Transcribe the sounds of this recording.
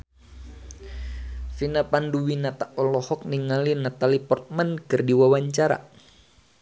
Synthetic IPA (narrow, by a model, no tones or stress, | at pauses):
finapanduwinat̪aʔɔlɔhɔk̚niŋalinat̪alipɔrt̪̚mankɨrdiwawaɲt͡ʃaɾa̰